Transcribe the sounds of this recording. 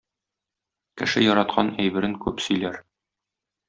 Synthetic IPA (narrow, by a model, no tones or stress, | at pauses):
kɘ̆ʃɘjɒɾɑt̪qʰɑnæjbɘ̆ɾɘŋkʉpsɵ̆jlæɾ